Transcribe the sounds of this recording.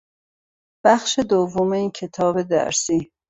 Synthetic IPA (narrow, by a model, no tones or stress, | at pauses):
b̥æxʃe̞d̪ovːomeiːncʰe̞t̪ʰɒːbe̞d̪æ̰ɾsiː